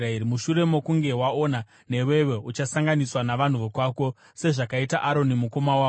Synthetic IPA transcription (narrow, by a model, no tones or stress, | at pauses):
aeɾimuʃuɾe̞mo̞kuŋɡe̞wao̞na | ne̞we̞ʋe̞ut͡ʃasaŋɡaniswanaʋan̤uʋokwaːko̞ | se̞ʐakaitaʔaɾo̞nimuko̞mawaː